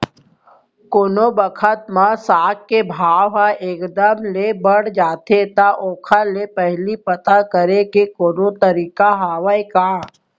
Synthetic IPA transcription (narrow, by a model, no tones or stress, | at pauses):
konobəkʰət̪mãsaːkkebʱaːwɦaʔeːkd̪əmlebəɽ̤d͡ʒaːt̪et̪aʔoːkʰalepɛɦlipɐt̪akəɾekekoːnot̪əɾiːkaɦaːwəeka